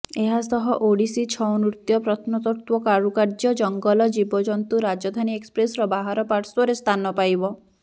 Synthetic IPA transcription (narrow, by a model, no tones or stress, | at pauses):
eɦasɔɦɔʔoɽisit͡ʃʰɔwnuɾt̪jɔpɾɔt̪ʰnɔt̪ɔɾt̪wɔkaɾukaɾd͡ʒɔd͡ʒɔŋɡɔlɔd͡ʒibɔd͡ʒɔnt̪uɾad͡ʒɔd̪ʱaniekspɾesɔɾɔbaɦaɾɔpaɾswɔɾest̪ʰanɔpajbɔ